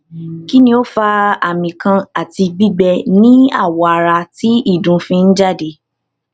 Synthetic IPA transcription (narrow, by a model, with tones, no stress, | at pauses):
ki˦nĩ˧o˦fa˧a˨mĩ˨kã˧a˦˨ti˧ɡ͡bi˦ɡ͡bɛ˧nĩ˦a̰˦˨wɔ˨a˨ɾa˧ti˨˦i˦˨dũ˨˦fĩ˧n̩˦d͡ʒa˦˨de˧˦